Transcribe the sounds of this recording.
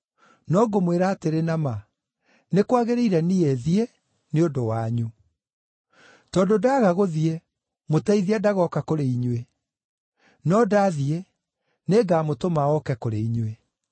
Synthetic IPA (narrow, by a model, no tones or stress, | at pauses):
nɔɡomweɾaːteɾenama | nekwaɣeɾeiɾɛniɛðie | neodowaɲu | tɔdodaɣaɣoðie | motaiðiadaɣɔkakoɾeiɲwe | nɔdaðie | neːɡaːmotomaɔkɛkoɾeiɲwe